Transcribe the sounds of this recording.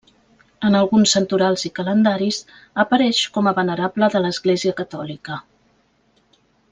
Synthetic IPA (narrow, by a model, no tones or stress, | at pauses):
ənəlˠɣunsːənt̪uɾalˠzikələnd̪aɾiz | əpəɾɛʃkɔməβənəɾabləðələzɣleziəkət̪ɔlikə